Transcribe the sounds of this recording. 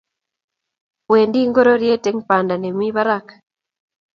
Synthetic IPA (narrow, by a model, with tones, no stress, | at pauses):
we˨ndi˦ŋɡo˦ɾo˦ɾje˦te˦ŋpa˨nda˨ne˨mi˦βa˦ɾak